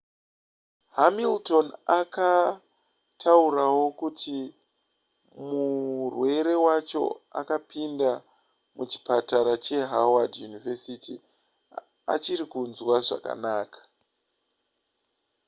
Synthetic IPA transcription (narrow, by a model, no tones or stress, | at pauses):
hamilto̞naka | tʰauɾawo̞kuti | murwe̞ɾe̞wat͡ʃo̞̰a̰kapinda | mut͡ʃi̥pataɾat͡ʃe̞ɦawadjunivesiti | a̰t͡ʃiɾikunzwaʐa̰ka̰naːkḁ